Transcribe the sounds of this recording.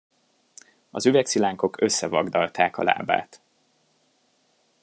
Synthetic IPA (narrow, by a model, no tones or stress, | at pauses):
ɒzyvɛksilaːŋko̞kø̞sːɛvɒɡd̪ɒlt̪aːkɒ̰la̰ːba̰ːt̪